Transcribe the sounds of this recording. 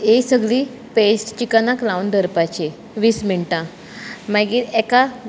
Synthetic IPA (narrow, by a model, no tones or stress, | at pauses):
esəɡɭi | pesʈt͡ɕikanaklaund̪ʱəɾpat͡ɕe | ʋismiɭʈã | maɡiɛka